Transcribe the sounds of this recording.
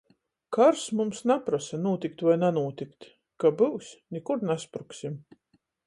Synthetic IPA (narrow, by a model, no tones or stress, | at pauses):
kaɾsmumsnapɾasanuɔt̪ʲikt̪vajnɛnuɔt̪ʲikt̪ | kabɨwsnʲikuɾnaspɾuksim